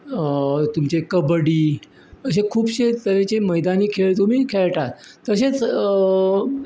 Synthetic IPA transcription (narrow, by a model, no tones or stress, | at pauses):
t̪umt͡ɕekəbəɽiː | əɕ̬ekʰuːbɕet̪əɾet͡ɕeməjd̪aniːkʰeɭt̪um̤iːkʰeɭʈat̪ːəset͡s